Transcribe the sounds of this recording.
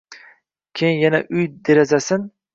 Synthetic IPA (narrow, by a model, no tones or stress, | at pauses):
kʲʰejnjanaʔʊjd̪eɾazasɪn